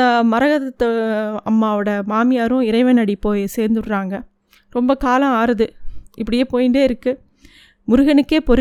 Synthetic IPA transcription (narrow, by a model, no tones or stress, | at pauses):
ɐmɐɾɐɣɐðɐt̪ːɐɐmːaːʋɯɽɐmaːmɪjaːɾʊ̃ɪɾɐɪʋɐnɐɽipoːjseːɾnd̪ɯɽɯɾaːŋɡɐ | ɾɔmbɐkaːlɐ̃aːɾɐðɯʔɪpːɐɽɪjeːpoːjɪɳɖeːɪɾɯkːɯ | mʊɾʊɣɐnɯkːeːpɔɾ